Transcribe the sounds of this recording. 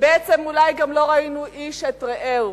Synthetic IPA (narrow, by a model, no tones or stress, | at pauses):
beet͡semulajɡamlo̞ʁainuʔiʃetʁeʔew